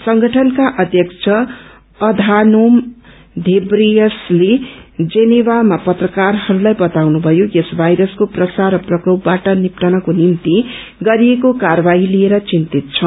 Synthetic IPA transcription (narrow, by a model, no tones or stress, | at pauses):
sʌŋɡʱʌʈʰʌnkaʔʌd̪ʱjʌkt͡sʰʌ | ʌd̪ʱanom | d̪ʱebrijʌsled͡zenibamapʌt̪rʌkarhʌɾulajbʌt̪awnubʱʌjojesbʱajɾʌskoprʌsaɾʌprʌkropbaʈʌnipʈʌnʌkonimt̪i | ɡʌɾijekokarbaɦilieɾʌt͡sint̪it̪̚t͡sʰʌ